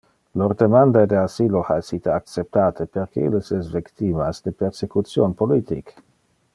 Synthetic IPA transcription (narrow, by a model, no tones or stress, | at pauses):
lord̪emand̪ad̪easilohaesit̪eak̪̚t͡sep̚t̪aːt̪ʰeperkḛlesesvikt̪imasd̪epersekut̪sjonpolit̪ḭk